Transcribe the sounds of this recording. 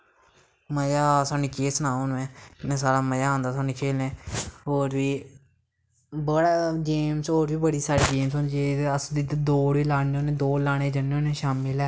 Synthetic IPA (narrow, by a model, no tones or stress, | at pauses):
məjaːsaːnĩːkeːsnãːõːnmɛ̃ːnẽːsaːɾaːməjãːnd̪aːsaːnĩːkʰeːlnẽːɦoːɾbiː | bəɽaːɡeːmsoːɾʋiːbəɽiːsaːɾiːɡeːmsoːnd͡ʒeːəsd̪it̪ːd̪oːɽʋiːlaːneõːnẽːd̪oːlaːɽ̃eːd͡ʒəneoːnẽːʃaːmɪlɛː